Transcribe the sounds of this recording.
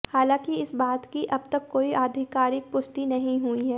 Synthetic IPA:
haːlãːkiɪsbaːt̪kiʔɐb̚t̪ɐkːoːiʔaːd̪ʱɪkaːɾɪk̚pʊsʈ̪inɐɦĩɦuiɦɛː

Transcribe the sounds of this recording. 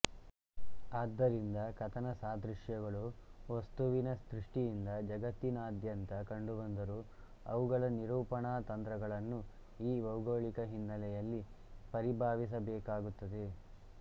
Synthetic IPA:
aːd̪ːɐɾind̪ɐkɐt̪ʰɐnɐsaːd̪ɾuʂjɐɡɐɭuʋɐst̪uʋinɐst̪ɾiʂʈijind̪ɐd͡ʒɐɡɐt̪ːinaːd̪jɐnt̪ɐkɐɳɖubɐnd̪ɐɾu | ɐ̰ʋuɡɐɭɐniɾuːpɐɳaːt̪ɐnt̪ɾɐɡɐɭɐnːu | iːʋɐwɡoːɭikɐɦinːɐlɛjɐlːi | pɐɾibʱaːʋis̬ɐbɛːkaːɡut̪ːɐd̪e̞

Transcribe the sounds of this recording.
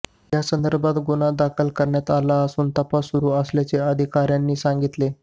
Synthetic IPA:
jasənd̪əɾbʱat̪ɡonad̪akʰəlkəɾɳjat̪alaəsuːnt̪əpasːuɾuːəsljat͡seəd̪ʱikaɾjanːiːsaŋɡit̪le

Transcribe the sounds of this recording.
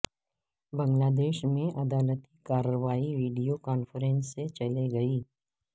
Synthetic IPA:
bə̃ŋɡlaːd̪eːʃmẽʔɐd̪aːlət̪ikaːɾəʋaːiʋiːɖijokaːnfəɾẽnsːet͡ʃɐleɡɐiː

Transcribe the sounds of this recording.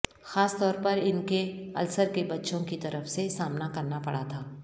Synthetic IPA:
xaːst̪ɔːɾpɐɾɪnkeɐ̰lsəɾkebɐtːʃõkit̪ɐɾəfsesaːmnakɐɾnapɐɽa̰t̪ʰaː

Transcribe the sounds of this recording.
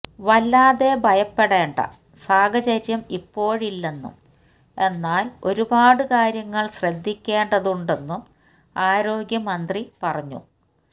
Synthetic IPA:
ʋɐlːaːðe̞bʱɐjɐpːeɽe̞ːɳɖɐ̰ | saːɡɐt͡ɕɐɾjɐmipːo̞ːɻilːe̞nːṵm | e̞nːaːlo̞ɾubaːɽɨkaːɾjɐŋːɐɭɕrɐd̪ʱːikʲːe̞ːɳɖɐðuɳɖe̞nːum | aːɾo̞ːɡjɐmɐnd̪ripɐrɐɲːṵ

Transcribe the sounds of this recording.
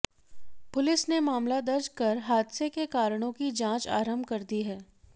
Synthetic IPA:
pʊlɪsnemaːmlad̪ɐɾd͡ʒkɐɾɦaːd̪sekekaːɾəɽ̃õkid͡ʒãːt͡ʃa̰ːɾəmbkɐɾd̪iɦɛː

